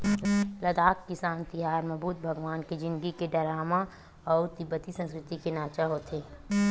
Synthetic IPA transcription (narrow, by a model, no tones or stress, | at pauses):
lɐd̪aːkkɪsaːnt̪ɪɦaːɾmɐbuːt̪̚bʱɐəɡʋaːnked͡ʒɪ̃nd̪ɡikeɖɐɾaːma | ɔːɾt̪ɪbət̪isɐ̃nskɾɪt̪ikenaːt͡ʃaɦoːt̪ʰeː